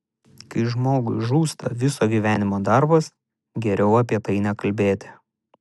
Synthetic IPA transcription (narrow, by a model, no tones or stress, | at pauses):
kɐɪʒmoːɡʊɪʒuːst̪ɐʋʲɪsoːɡʲiːʋʲæːnʲɪmoːd̪ɑɾbɐs | ɡʲɛɾʲɛʊɐp̬ʲiɛt̪ɐɪnʲɛkɐlʲbʲeːt̪ʲɪ̥